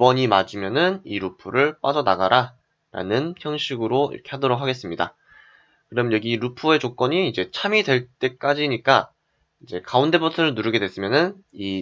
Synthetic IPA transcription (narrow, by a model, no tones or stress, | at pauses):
bʌɲimad͡ʑimjʌnɯniɾupʰuɾɯɭp͈ad͡ʑʌnaɡaɾa | ɾa̰nɯnçjʌŋɕʰiɡɯɾoḭɾʌkʰe̞hʰadʌɾokʰaɡe̞s͈ɯmɲida̰ | kɯɾʌmjʌnɲjʌɡiːɾupʰue̞t͡ɕok͈ʌɲiːd͡ʑe̞t͡ɕʰamidwe̞ɭt͈e̞k͈ad͡ʑiɲik͈a | id͡ʑe̞kaunde̞butʰɯɾɯɭnuɾɯɡe̞dwe̞s͈ɯmjʌnɯn | i